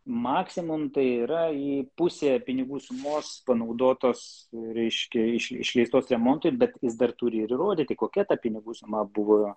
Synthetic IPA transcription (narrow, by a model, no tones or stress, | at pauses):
mɑːksʲɪmʊmt̪ɐɪiɾɐiːpʊsʲeːpʲɪnʲɪɡuːsʊmoːspɐnɐʊd̪oːt̪oːsɾʲɛɪʃʲkʲɛɪʃɪ̰ʃʲlʲɛɪst̪oːsɾʲɛmoːnt̪ojbʲɛt̪jɪsd̪ɐrt̪ʊɾʲɪɪɾɪroːd̪ʲit̪ʲɪkoːkʲɛt̪ɐpʲɪnʲɪɡuːsʊmɐbʊʋoː